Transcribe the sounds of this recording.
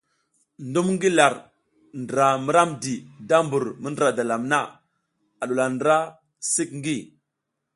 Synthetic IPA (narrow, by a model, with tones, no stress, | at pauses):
ndu˦mŋɡi˦la˨ɾ | ndə˨ɾa˨mə˦ɾa˦mdi˨da˦mbu˨ɾmə˦ndɾa˨da˨la˨mna˦ | a˨ɗu˨la˨ndɾa˦ | si˦k̚ŋ˦ɡi˦